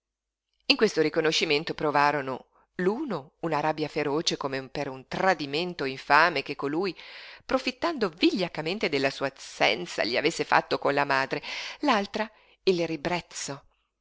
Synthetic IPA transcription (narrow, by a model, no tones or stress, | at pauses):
iŋkwest̪oɾikonoʃːiment̪opɾovaːɾono̰ | luːnounaɾabːjafeɾoːt͡ʃekomepeɾunt̪ɾad̪iment̪oiɱfaːmek̟ekːoluːjpɾofit̪ːand̪oviʎːakament̪ed̪elːasuːasɛ̰nt̪sa̰ʎia̰vesːefa̰t̪ːokonlamaːd̪ɾelalt̪ɾa | ilribɾɛt̪sːo